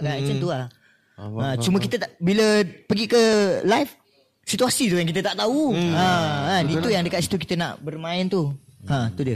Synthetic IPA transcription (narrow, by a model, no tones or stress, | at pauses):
kant͡ʃant̪ulah | ə̃t͡ʃumə̃kit̪ət̪aʔbiləpəɡikəlajf | sit̪uasit̪ujaŋkit̪ət̪aʔt̪auəadit̪ujaŋdəkat̪si̥t̪uk̬it̪əna̰ʔbərmãɪnt̪uə̃t̪udiə